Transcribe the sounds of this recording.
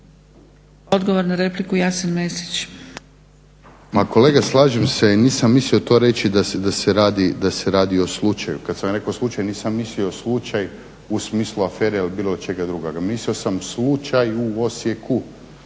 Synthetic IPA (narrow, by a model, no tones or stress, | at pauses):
od̪ɡoʋoɾnaɾeplikujasenmesi̥t͡ɕ | mako̞le̞ːɡaslˠaːʒemseiniːsamːislio̞t̪o̞ːɾe̞t͡ʃid̪asd̪aseɾaːd̪id̪aseɾaːd̪io̞slˠut͡ʃajṵkat̪samɾe̞koslˠut͡ʃajniːsamːisliooslˠut͡ʃaj | usmiːslˠuafeːɾeilibiːlˠo̞t͡ʃe̞ɡad̪ɾuɡoɡamislio̞samslut͡ʃajuo̞sjekʰu